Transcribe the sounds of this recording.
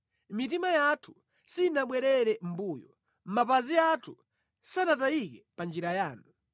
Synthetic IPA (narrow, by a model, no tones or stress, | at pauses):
mit̬imajatʰu̥ | sinaɓwɛɾɛɾɛm̩buːjɔ | m̩mapaziatʰu | sanatajik̬ɛpand͡ʒiɾajaːnu